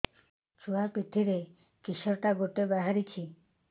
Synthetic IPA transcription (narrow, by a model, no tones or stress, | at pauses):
t͡ʃuapɾit̪ʰːiɾe | kiʃɔɾʈaɡoʈebaɦaɾit͡ɕʰi